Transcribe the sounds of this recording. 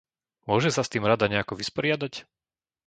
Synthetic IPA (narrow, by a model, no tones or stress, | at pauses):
mʊɔʒɛsast̪iːmɾad̪aɲɛakɔʋispɔɾɪad̪ac